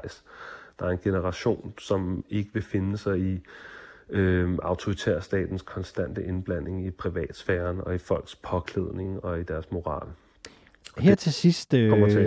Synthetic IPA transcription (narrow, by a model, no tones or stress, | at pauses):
ɪsd̥ɑ̈ːæɐe̝nɡ̥e̝nəʁɑ̈ɕo̝̰ːnsɒ̽me̝ɡ̥əʋe̝fe̝nəsɑ̈ɪi | øɑ̈ʊt͡sʰoʁit͡sʰḛɐsd̥ɛ̰ːd̥n̩skʰɒ̽nsd̥æn̰d̥əʔe̝nb̥læn̰e̝ŋipʰʁiʋɛ̰ːd̥sfæːɐnɒ̽ifɒ̽l̰ɡ̥spʰɒ̽kʰleð̞ˠne̝ŋɒ̽id̥æɐsmo̝ʁɑ̰̈ːl | heɐ̰t͡sʰe̝sisd̥ʰɒm̰ɐt͡sʰe